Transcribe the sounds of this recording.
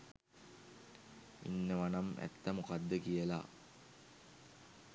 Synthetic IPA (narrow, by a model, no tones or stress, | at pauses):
ḭnːəʋanamæ̰t̪ːamukad̪ːəkijəla̰